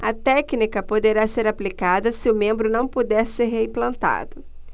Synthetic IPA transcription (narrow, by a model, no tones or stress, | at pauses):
ɐt̪ɛknikɐpod̪eɾaseɾaplikad̪ɐsɪʊmẽmbɾʊnɐ̃w̃pod̪ɛɾseɾɦeĩplɐ̃nt̪a̰d̪ʊ